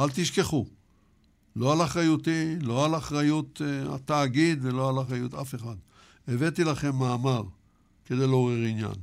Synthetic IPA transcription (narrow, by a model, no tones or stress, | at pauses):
alt̪iʃke̞χu | lo̞alaχʁajut̪ilo̞alaχʁajut̪a̰t̪aːɡid̪velo̞alaχʁajut̪afe̞χad̪ | evet̪ilaχe̞mːaːmaʁ | ke̞d̪e̞jloʁiʁinja̰n